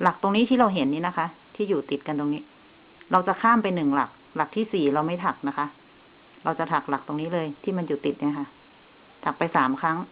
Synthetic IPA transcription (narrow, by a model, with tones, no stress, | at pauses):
la˨˩k̚t̪o˧ŋniː˦˥t̪ʰiː˥˩ɾa˧wɦe˩˦nːiː˦˥na˦˥kʰa˦˥ʔt̪ʰiː˥˩juː˨˩t̪i˨˩t̪̚ka˧nt̪o˧ŋniː˦˥ | ɾa˧wt͡ɕa˨˩kʰaː˥˩mpa˧jnɯ˨˩ŋla˨˩k̚ | la˨˩k̚t̪ʰiː˥˩siː˨˩ɾa˧wma˥˩jt̪ʰa˨˩k̚na˦˥kʰa˦˥ʔ | ɾa˧wt͡ɕa˨˩t̪ʰa˨˩k̚la˨˩k̚t̪o˧ŋniː˦˥lɤː˧jt̪ʰiː˥˩ma˧njuː˨˩t̪i˨˩t̪̚ni˧˥˨kʰa˥˩ | t̪ʰa˨˩k̚pa˧jsaː˩˦mkʰa˦˥ŋ